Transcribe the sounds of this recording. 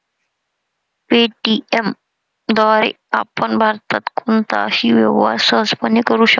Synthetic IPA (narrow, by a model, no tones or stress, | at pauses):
peːʈiem | d̪waːɾḛ | aːpənbʱaɾt̪ɐt̪kʊnt̪a̰hiʋeʋaːsəzpɐnikəɾuɕɐ